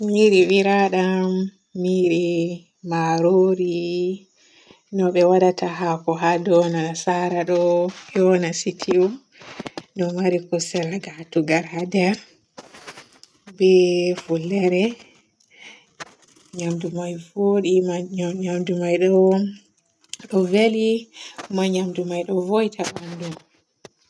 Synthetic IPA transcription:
miɾiwiɾaɗamː | iɾi | maɾoɾi | nɔɓɛwaɗataɦakɔɦadɔnasaɾaɗɔjɔnasitʰiu | nɔmaɾikusɛlaɡatuɡaɾhadɛɾ | bɛfulːɛɾɛ | ɲamdumajvoɗimɲamdumajɗɔ | ɗɔvelimaɲamdumajɗɔvojtʰaɓandum

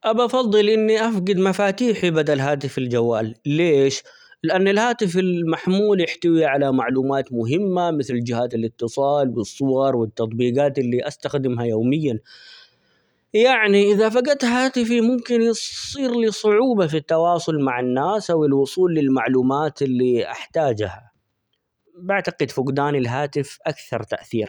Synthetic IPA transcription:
ʔabʔɑfɑðˤːɨlʔɪnːiʔafɡɪd̪mafaːt̪iːħibad̪alɦaːt̪ɪfald͡ʒawːaːlːeːʃ | lɪʔanːalhaːt̪ɪfɪlmaħmuːljɪħt̪awiʕalamaʕluːmaːt̪mʊɦɪmːamɪθld͡ʒɪhaːt̪alɪt̪ːɨsˤɑːlbɨsˤːʊwɑɾˤwɪt̪ːɑt̪ˤbiːɡaːt̪ɪlːiʔast̪axd̪ɪmɦajoːmɪjːan | jaʕniʔɪðafaɡat̪haːt̪ɪfimʊmkɪnjsˤiːɾlisˤʊʕuːbafit̪ːɑwɑːsˤʊlmaʕɪnːaːsʔawɪlwʊsˤuːlːɪlmaʕluːmaːt̪ɪlːiʔa̰ħt̪aːd͡ʒha | baʕt̪aɡɪd̪fʊɡd̪aːnɪlɦaːt̪ɪfʔakθɑɾˤt̪a̰ʔθiːɾ

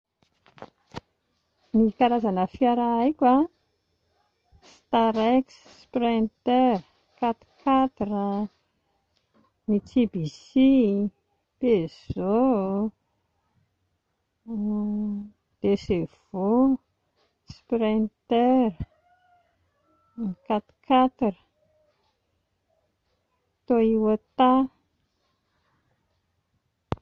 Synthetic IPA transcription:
nikaɾazanəfiaɾaajkʲa | st̪aɾeks | prent̪er | kat̪kʰat̪rə | nit͡sibisi | pez̥o | d̪̥esev̥o | spɾant̪er | nikat̪kʰat̪irə | t̪oiwat̪a

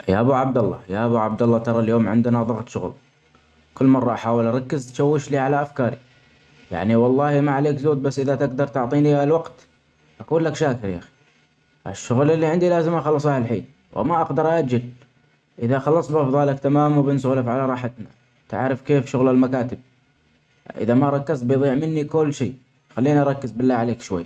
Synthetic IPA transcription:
ja̰ʔabuʕabd̪alˤːɑ̰jaʔabuʕab̚d̪ɑlˤːɑt̪ɑɾˤɑljoːmʕɪ̰nd̪naðˤʊɣt̪ˤʃʊɣl | kʊlːmɑrˤːɑʔaħaːwɪlʔɑɾˤɑkːɪzt̪ʃawːɪʃliʕalaʔafkɑːɾi | ja̰ʕniwɑlˤːɑːhimaʕaleːkzoːd̪̚basːʔɪðat̪ɪɡd̪ɑɾˤt̪ʊʕt̪ˤiːnilwɑɡt̪ | ʔakuːnlakʃaːkɪɾjaːxi̥ | ɪ̰ʃːʊɣlɪlːiʕɪnd̪ilaːzɪmʔaxɑlːɨsˤʔahlħḭːn | wʔɪ̰maʔɑɡd̪ɑɾˤʔaʔad͡ʒɪl | ʔɪðaxɑlːɑsˤbʔɑfðˤɑːlakt̪amaːmwbɪnsʊɣlafʕalaɾˤɑːħat̪na | t̪a̰ʕɾɪfkeːfʃʊɣlalmakaːt̪ɪb̚ | ʔɪ̰ðamaʔɾˤɑkːɪzt̪bjðˤiːʕmɪnːikʊlːʃiː | xalːiːniʔɑɾˤɑkːɪzbɪlːaʕaleːkʃwa̰jːa

